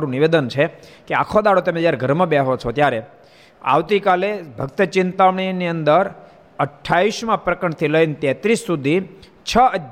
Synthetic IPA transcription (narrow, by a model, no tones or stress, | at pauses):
ɾũniʋed̪ənt͡ʃʰekeakʰod̪aɽot̪əmẽd͡ʒjaɾeɡʱəɾmə̃bɛɦot͡ʃʰot̪jaɾe | a̰ʋt̪ikalebʱəɡt̪ət͡ʃɪnt̪aʋɳ̃iniənd̪əɾ | əʈʰːaiʃmãpɾəkəɳt̪ʰiləint̪ɛt̪ɾisːud̪ʱi | t͡ʃʰəə